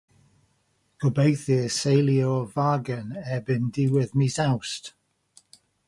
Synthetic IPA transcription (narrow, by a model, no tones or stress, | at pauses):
ɡ̥ʰɔbejθiəsejliovaːɡənɛbɪndiwɪðmisawst